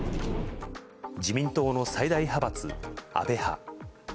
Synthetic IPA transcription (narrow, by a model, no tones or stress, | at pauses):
d͡ʑimʲĩnt̪o̞ːno̞said̪aiɦabat͡sɨ̰a̰be̞ha̰